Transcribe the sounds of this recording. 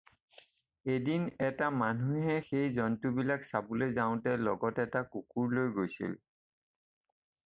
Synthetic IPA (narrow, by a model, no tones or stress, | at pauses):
edinɛtamanuɦɛxejzɔntubilaksabʊlezaʊ̃tɛlɔɡɔtɛtakukuɹlojɡojsḭl